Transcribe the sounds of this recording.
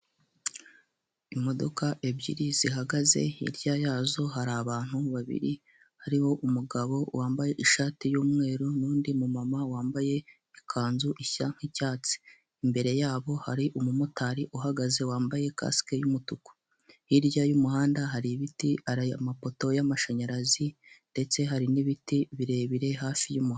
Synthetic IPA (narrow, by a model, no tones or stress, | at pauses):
imo̞do̞̰kaʔe̞bɟḭɾiziɦaɡaze̞̰ḭɾɟajaːzo̞ɦaɾaβaːn̥huβaβḭɾi | haɾiho̞ʔumuɡaβo̞wʔaːmbaje̞ʔiʃaːtijuːmŋe̞ːɾunuːndimumamawaːmbaje̞ | ikʰaːnzuʔiçaŋ̥hicaːt͡si̥ | imbe̞ɾe̞jaːβo̞haɾiʔumumutaɾiʔuɦaɡaze̞waːmbaje̞ka̰skejumutuku̥ | iɾjajumuhaːndaɦaɾiβitiaɾaamapo̞to̞jamaʃaɲaɾazinde̞t͡se̞ɦaɾiniβitiβiɾe̞βiɾe̞ɦaːfijumuh